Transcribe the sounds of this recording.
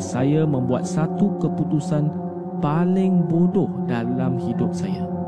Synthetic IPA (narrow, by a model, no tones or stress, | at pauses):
sajamə̃mbua̰t̪̚sat̪ukəput̪usan | palɪŋbodɔhdalamhidʊp̚saja